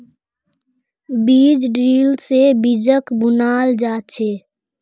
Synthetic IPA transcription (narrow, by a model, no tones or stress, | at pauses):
biːd͡ʒɖɾiːlsebid͡ʒəkbʊnaːld͡ʒaːt̪t͡ʃʰeː